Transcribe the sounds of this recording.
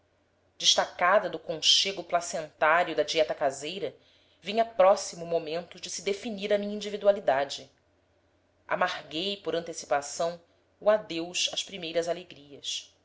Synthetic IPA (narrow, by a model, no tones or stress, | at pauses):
d͡ʒɪʃt̪akad̪ɐd̪ʊkõʃeɡʊplasẽnt̪aɾjʊd̪ɐd͡ʒiɛt̪ɐkazejɾɐ | vĩɲɐpɾɔsimʊmomẽnt̪ʊd͡ʒɪsid̪efiniɾɐmĩɲɐ̃ĩd͡ʒivid̪ualid̪ad͡ʒɪ | ʔa̰mahɡejpoɾɐ̃nt̪esi̥pasɐ̃w̃ | uad̪ewʃɐʃpɾimejɾɐzaleɡɾiɐs